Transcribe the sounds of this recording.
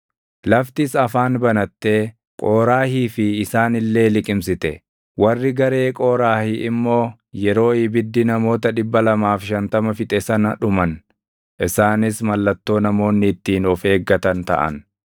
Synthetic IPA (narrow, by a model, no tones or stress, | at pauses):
lɐft̪ɪsɐfaːnbɐnɐt̪ːe̞ː | kʼo̞ːɾaːhiːfɪːsaːnɪlːe̞ːlɪkʼɪmsɪt̪ɛ | wɐrːɪɡɐɾe̞ːkʼo̞ːɾaːhɪʔɪmːo̞ː | jɛɾo̞ːjɪbɪd̪ːɪnɐmo̞ːt̪ɐᶑɪbːɐlɐmaːfʃɐnt̪ɐmɐfɪt̪ʼɛsɐnɐ̰ᶑʊmɐn | ʔɪsaːnɪsmɐlːɐt̪ːo̞ːnɐmo̞ːnːɪːt̪ːiːnɔfe̞ːɡːɐt̪ɐnt̪ɐ̰ʔɐ̰n